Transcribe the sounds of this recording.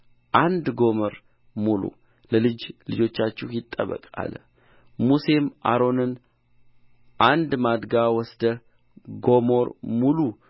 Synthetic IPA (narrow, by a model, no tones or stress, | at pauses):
ʔand̪ɡo̞məɾ | mulṵ | ləlɨd͡ʒlɨd͡ʒo̞t͡ʃːat͡ʃːɛhjɪt̪ʼːəβə̰kʼa̰l | muse̞mʔa̰ɾo̞nɨn | ʔand̪mad̪ɡawɔsd̪ə | ɡomo̞ɾmulu